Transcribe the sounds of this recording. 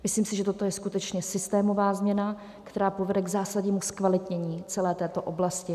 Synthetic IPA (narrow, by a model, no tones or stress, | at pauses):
mɪsliːmsɪʒɛt̪o̞t̪o̞jɛskut̪ɛt͡ʃɲɛsɪst̪ɛːmo̞vaːzmɲɛna | kt̪ɛɾaːpovɛdɛɡzaːsadɲiːmuskvalɪt̪ɲɛɲiːt͡sɛlɛːt̪ɛːt̪oʔoblascɪ